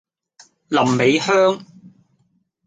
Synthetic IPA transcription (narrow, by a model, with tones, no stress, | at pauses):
lɐ˨˩mːe˨˧jhœː˥ŋ